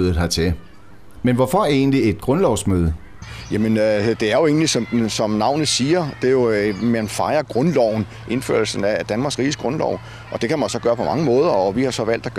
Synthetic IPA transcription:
ðˠð̩ˠhɑ̈t͡sʰe̝ | menʋɒfɒe̝̰ːnlie̝d̥̚ɡ̥ʁɔ̽nlɒʊsmøːð̞ˠə | jæmənd̥e̝æɐjo̝e̝̰ːnlisɒ̽msɒ̽mnɑ̈ʊ̰nð̩ˠsiːɐd̥e̝jo̝mænfɑ̈ɪɐɡ̥ʁɔ̽nlɒʊ̰n̩ | ʔe̝nfø̰ːɐl̩sn̩æd̥ænmɑ̈ɡ̥sʁḭːsɡ̥ʁɔ̽nlɒ̰ʊ | ʔɒ̽d̥e̝kʰæmænsɒ̽ɡ̥ɶːɐpʰɒ̽mɑ̈ŋəmɔ̽ːð̞ˠɐɒʋihɑ̈sɒ̽ʋæl̰d̥æ̥

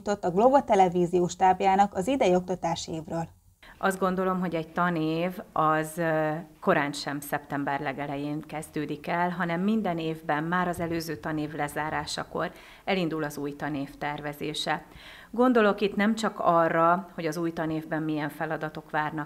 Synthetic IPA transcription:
ut̪o̞t̪ːɒɡlobot̪ɛlɛviːziuʃt̪aːbjaːnɒkɒzid̪ɛjio̞k̚t̪ɒt̪aːʃieːvrøːl | ʔɒzd̪ɡo̞n̪d̪o̞lo̞mɦo̞ɟɛɟ̚t̪ɒneːvɒzko̞ɾaːnʃɛmsɛpt̪ɛmbɛrlɛɡɛlɛjeːŋkɛzd̪øːd̪ikɛlɦɒnɛmːind̪ɛneːvbɛmːaːɾɒzɛløːzøːt̪ɒneːvlɛzaːɾaːʃɒko̞̰ɾ | ɛlind̪ulɒzuːjt̪ɒneːft̪ɛrvɛzeːʃɛ | ɡo̞nd̪o̞lo̞kit̪nɛmt͡ʃɒkɒrːɒho̞ɟɒzuːjt̪ɒneːvbɛmːijɛɱfɛlɒd̪ɒt̪o̞kʋaːrnɒk

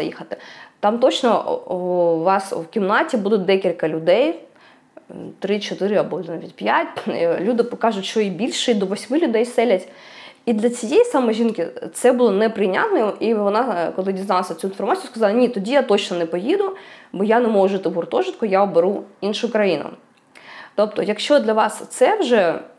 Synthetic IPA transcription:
ɐjḭxɐt̪ɪt̪ɑmt̪ɔt͡ʃnɔ | ʋɑswkʲimnɑtʲibud̪ʊd̪ɛkʲilʲkɐlʲʊd̪ɛj | t̪ɾɪt͡ʃɔt̪ɪɾɪɐbɔlʲnaʋʲitʲpʲjatʲlʲud̪ɪpɔkɑʒʊtʲt͡ʃɔibʲilʲʃɛid̪ɔʋɔsʲmɪlʲʊd̪ɛjsɛlʲɐtʲ | id̪lʲɐt͡sʲijejisɐmɔʒʲinkɪt̪sɛbʊlˠɔnɛpɾɪjnʲa̰t̪nɔjiʋɔnɑkɔlˠɪdʲiznɑlˠɐsʲɐt͡sʲuinfɔrmat͡sʲijʊskɐzɑlˠɐnʲit̪ɔdʲijat̪ɔt͡ʃnɔnɛpɔjid̪ʊbɔjanɛmɔɦʊʒɪt̪ɪɦʊrt̪ɔʒɪt̪kʊjaɔbeɾuinʃʊkɾɐjinʊ̰ | t̪ɔpt̪ɔjɐkʃt͡ʃɔd̪lʲɐʋɑst̪sɛwʒɛ

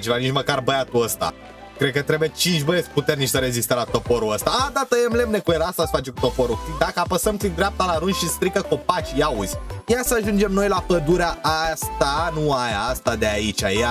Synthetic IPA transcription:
t͡ʃʲlanit͡ʃməkarbəjat̪uəst̪a̰ | kɾekət̪ɾe̞bujet͡ʃint͡ʃʲbəjesʲput̪ernit͡ʃʲsəɾe̞zist̪əlat̪o̞fo̞ɾuəst̪aad̪at̪əjemle̞mne̞kuelast̪asfat͡ʃeku̥t̪o̞fo̞ɾukt̪id̪akəapəsəmt̪sid̪ɾap̚t̪alaɾunʃist̪ɾikəko̞pat͡ʃʲjauzʲjasəaʒund͡ʒemno̞jlapəd̪uɾeaast̪anuajast̪ad̪e̞ait͡ʃaja

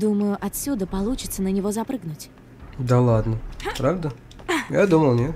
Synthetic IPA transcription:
d̪uməjʊʔɐt̪sʲud̪əpɐlˠut͡ɕɪt̪sənənʲɪvo̞zɐpɾɨɡnʊtʲ | d̪ɐlˠad̪nəpɾavd̪ə | jad̪uməlˠnʲet̪

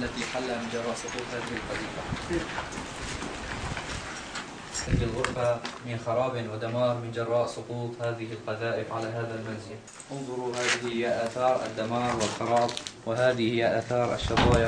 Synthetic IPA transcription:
alːat̪iħalːaːmɪnd͡ʒɑrˤːɑːʔsˤʊquːt̪ˤhaːðɪhɪlqɑðiːqa | ʔast̪ad͡ʒɪlɣʊɾfamɪnxɑɾˤɑːbɪnwɪd̪amɑːɾˤmɪnd͡ʒɑrˤːɑːʔsˤʊquːt̪ˤhaːðɪhɪlqɑðaːʔɪfʕalaːɦaːðalmanzɪl | ʔʊnðˤʊɾˤuhaːðɪhhɪjaʔaːθɑːɾˤa̰d̪ːamɑːɾˤwɪlxɑɾˤɑːd̪ˤwɪɦaːðɪhɪjaʔaːθɑːɾˤʔa̰ʃːɑt̪ˤɑːja

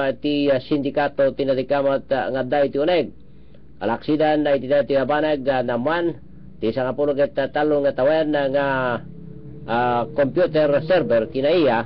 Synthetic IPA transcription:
t̪iasind̪ikat̪ot̪inat̪ikamat̪ŋad̪ait̪ioneɡ̚ | a̰laksidanːait̪idait̪iabaneɡanamuan | t̪isaŋapuluket̪at̪alːuŋat̪awanaŋa | kompjut̪ɛrsɛrbɛrt̪inaia

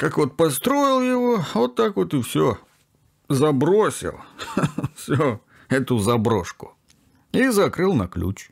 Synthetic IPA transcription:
kakvot̪̚pɐst̪ɾo̞jɪlˠjɪvovot̪ːakvo̞t̪ɨfsʲo | zɐbɾosʲɪ̰lˠ | fsʲo | ɛt̪ʊzɐbɾo̞̰ʂkʊ̥ | izɐkɾɨlˠnɐ̰klʲṵt͡ɕ

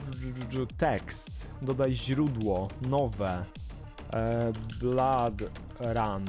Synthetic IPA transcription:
t̪ɛkst̪ | d̪ɔd̪ajʑɾud̪wɔnɔvɛ | blad̪ | ɾan

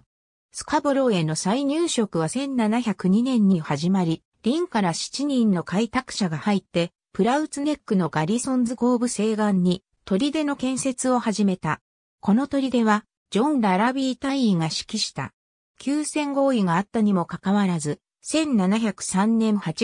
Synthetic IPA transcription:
sɨ̥kabɯɾo̞e̞no̞saiɲ̟ɨːɕo̞kɯ̟β̞asẽ̞nnanaçʲakɯ̟ɲ̟inẽ̞ɲ̟ːihaʑimaɾʲi | ɾʲĩŋkaɾaɕi̥t͡ɕiɲ̟ĩnnːo̞kait̪akɯ̟̥ɕaɡahait̪ːe̞ | pɯ̟ɾaɯ̟t͡sɨne̞kːɯ̟no̞ɡaɾʲisõ̞nd͡zɨɡo̞ːbɯ̟se̞ːɡãɲ̟ːi | t̪o̞ɾʲid̪e̞no̞kẽ̞ɰ̃se̞t͡sɨo̞haʑime̞t̪a | ko̞no̞t̪o̞ɾʲid̪e̞βa | d͡ʑõ̞nɾaɾabʲiːt̪aiiŋaɕi̥kʲiɕi̥t̪a̰ | kʲʰɨːsẽ̞ŋɡo̞ːiŋaːt̪ːaɲ̟imo̞kakaβaɾazɨ | sẽ̞nːanaçʲakɯ̟̥sãnːẽ̞ɰhat͡ɕi

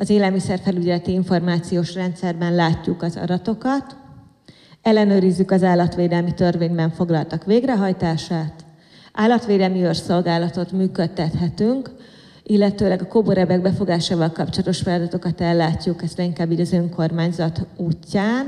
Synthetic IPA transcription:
ɒzeːlɛlmisɛrfɛlyɟɛlɛt̪iiɱfo̞rmaːt̪sijoːʃrɛnt̪sɛrbɛnlaːcːukɒzɒ̰d̪ɒt̪o̞kɒt̪ | ɛlːɛnøːɾizːykɒzaːlːɒt̪ʋeːd̪ɛlmit̪ørveːɲbɛɱfo̞ɡlɒlt̪ɒkʋveːɡrɛɦɒjt̪aːʃaːt̪ | ʔaːlːɒt̪ʋeːd̪ɛlmiørso̞lɡaːlɒt̪o̞t̪myːkøt̪ːɛt̪hɛt̪yŋk | ʔilːɛt̪øːlɛɡɒkoboɾɛbɛɡ̚bɛfo̞ɡaːʃaːvɒlkɒp̚t͡ʃolɒt̪o̞ʃfɛlɒd̪ɒt̪o̞kɒt̪ɛlːaːcːukɛzrɛiŋkaːbiːɟɒzø̞ŋko̞rmaːɲzɒt̪uːcːaːn

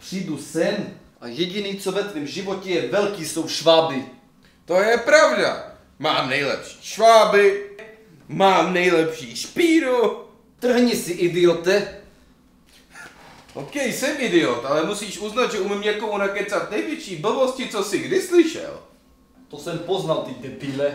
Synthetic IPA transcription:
pr̝̥iːdusɛnʔajɛɟɪniːt͡sovɛt̪vɪmʒɪvocɛjɛvɛlkiːso̞wʃvaːbɪ | t̪o̞jɛpɾavda̰ | maːmnɛjlɛ̰pʃi̥ːʃvaːbɪ | maːmnɛjlɛpʃiːʃpiːɾu | t̪r̩ɦɲɪsɪʔɪdɪot̪ɛ | owkɛjsɛmɪdɪot̪alɛmusiːʃuznad̪ʒɛumimɲɛkomunakɛt͡sat̪nɛjvjɛt͡ʃiːbl̩voscɪt͡sosɪɡdɪslɪʃɛ̰l | t̪osɛmpoznalt̪ɪd̪ɛbiːlɛ

